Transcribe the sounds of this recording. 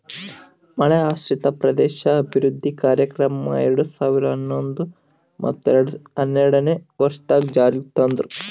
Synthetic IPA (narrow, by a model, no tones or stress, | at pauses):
mɐɭeaːʃɾit̪ɐpɾɐd̪ɛːʃɐːbʱiɾud̪ʱːikaːɾjɐkɾɐmɐ̰eɾɐɽusaːʋiɾɐɐnːond̪u | mɐ̰t̪ːueɾɽuɐnːeɾɐɽɐneʋɐɾʂt̪aːɡd͡ʒaːɾjit̪ond̪ɾu